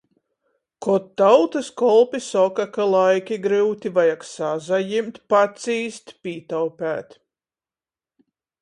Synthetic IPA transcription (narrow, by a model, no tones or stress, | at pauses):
kɔt̪ːawt̪ɨskɔlˠpʲisɔkakalˠajkʲiɡɾɨwt̪ʲivajaksazajimt̪ʲpat̪siːst̪pʲiːt̪awpʲæːt̪